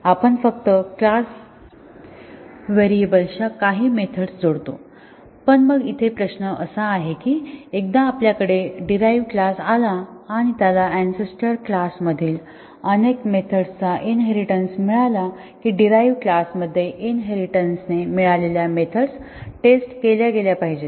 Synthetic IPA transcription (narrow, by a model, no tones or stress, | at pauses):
apəɳfək̚t̪əklas | ʋeɾiebəlɕakaɦiːmet̪ʰəɽsd͡zoɽt̪o | pəɳməɡit̪ʰepɾəɕnəʔəsaːɦekiːek̚d̪ãːpljakəɽeɖiɾajʋklasalaːɽ̃it̪jalaænsesʈəɾklasməd̪ʱiːl | ənekmet̪ʰəɽt͡saʔinɦeɾiʈənsmiɭala | kiːɖiɾajʋklasməd̪ʱːjeʔinɦeɾiʈənsnemiɭaleljamet̪ʰəɽs | ʈesʈkeljaɡeljapaɦid͡ʑe